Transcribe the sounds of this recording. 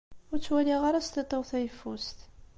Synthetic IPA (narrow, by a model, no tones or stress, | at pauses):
ʊɾt͡sːwæliʁaɾast̪et̪ˤːoʁθæjfːust̪